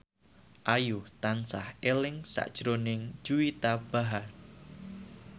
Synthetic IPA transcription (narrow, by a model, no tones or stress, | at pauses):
ʔajuht̪ansahelɪŋsa̰ʔd̥ʒ̥ɾonɪŋ̥d͡ʒ̥uit̪ab̥a̤ɦar